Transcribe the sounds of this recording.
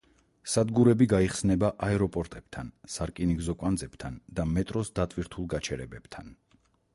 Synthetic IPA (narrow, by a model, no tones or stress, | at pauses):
sad̪ɡuɾɛbiɡaiχsnɛbaʔaɛɾɔpʼɔɾt̪ʼɛb̥̚t̪ʰansaɾkʼiniɡzɔkʼand̪zɛb̥t̪ʰand̪amɛt̪ʼɾɔsd̪at̪ʼviɾt̪ʰulˠɡat͡ʃʰɛɾɛbɛb̥t̪ʰa̰n